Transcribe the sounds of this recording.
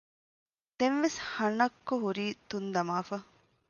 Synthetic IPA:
d̪̥enʋeshɐɳɐkːoɦuɾiːt̪und̪ɐmaːfɐ

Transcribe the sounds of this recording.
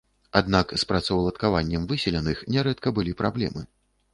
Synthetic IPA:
ad̪nakspɾɐt̪sɐwlˠɐt̪kavanʲːɛmvɨsʲɛlʲɛnɨxnʲɛɾɛt̪kɐbɨlʲipɾablʲɛ̰mɨ̰

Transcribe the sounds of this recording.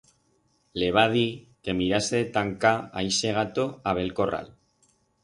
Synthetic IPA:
le̞β̞að̞i | ke̞miɾaseet̪aŋkaa̰jse̞ɣ̞at̪o̞aβ̞e̞lko̞ra̰l

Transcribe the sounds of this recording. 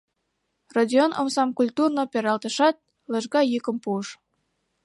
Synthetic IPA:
rodʲionʔo̰msɑmkulʲt̪urnopʲeɾɑlt̪əʃɑt̪̚ | ləʒɡɑjykə̆mpuəʃ

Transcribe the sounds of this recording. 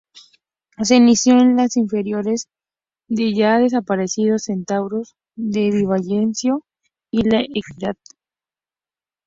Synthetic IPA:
as̬enisjoenlasiɱfe̞ɾjo̞ɾe̞z | ðeʝaðes̬apaɾe̞siðose̞nt̪awɾoz | ðeβiβaʎensjo | ilaʔekiðað

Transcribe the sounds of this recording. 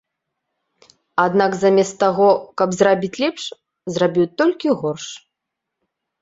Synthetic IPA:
ad̪nakzamʲɛst̪ːaɣɔkɐbzrabʲit͡sʲlʲɛpʂ | zrabʲiwt̪ɔlʲkʲiɣɔrʂ

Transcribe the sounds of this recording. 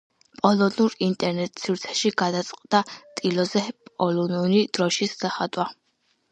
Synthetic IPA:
pʼɔlɔnuɾint̪ʼɛɾnɛt̪ʼsiɾt̪sʰɛ̥ʃiɡad̪at̪sʼqʼd̪̥at̪ʼilɔzɛpʼɔlɔnuɾid̪̥ɾɔʃisd̪̥aχad̪wa

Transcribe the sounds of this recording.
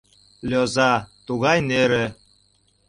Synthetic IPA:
lʲozɑt̪uɣɑjneɾe

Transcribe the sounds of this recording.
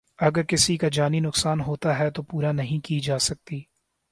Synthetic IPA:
ɐɡəɾkɪsikad͡ʒaːninʊksaːnɦoːt̪aɦɛt̪opuːɾanɐɦĩkid͡ʒaːsɐk̚t̪iː

